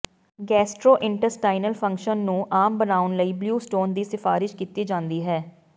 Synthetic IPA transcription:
ɡɛːsʈɾoːʔɪ̃ɳʈəɾsʈaːɪnəlpʰə̃ŋkʃənːũːʔaːmbənaːʊnləiːbljuːsʈoːnd̪iːsɪfʰaːɾɪʃkiːt̪iːd͡ʒãːnd̪iːɦɛː

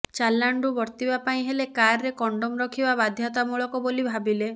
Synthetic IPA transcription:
t͡ʃalːaɳɖubɔɾt̪ibapaĩɦelekaɾːekɔɳɖomɾɔkʰibabad̪ʱjat̪amuɭɔkɔbolibʱabile

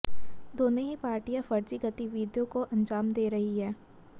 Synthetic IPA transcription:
d̪oːnõɦipaːɾʈijafɐɾt͡ʃiɡɐt̪iʋiːd̪jõkoʔɐ̃nd͡ʒaːmd̪eːɾɐɦiɦɛː

